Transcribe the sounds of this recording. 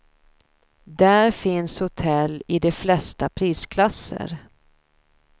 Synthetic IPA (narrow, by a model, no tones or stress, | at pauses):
d̪æɾfɪnshʊt̪ʰɛlːɪd̪ɛflɛst̪apʰɾiːskʰlasːə̰ɾ